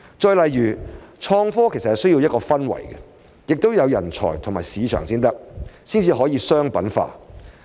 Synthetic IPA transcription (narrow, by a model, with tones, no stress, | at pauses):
t͡ʃɔː˧jlɐ˨jjyː˨˩t͡ʃʰɔː˧ŋfɔː˥kʰe˨˩sɐ˨thɐ˨js̬ɵ˥jiː˧wjɐ˥t̚kɔː˧fɐ˥nwɐ̰˨˩jkɛ˧ | jɪ˨k̚t̪o˥wjɐ˨˧wjɐ̰˨˩nt͡ʃʰɔ̰ː˨˩jt̪ʰŋmaː˨˩jsiː˨˧t͡ʃʰœ̰ː˨˩ŋsiː˥nt̪ɐ˥k̚siː˥nt͡siː˧ɦɔː˨˥jiː˧sœː˥ŋpɐ˨˥nfa̰ː˧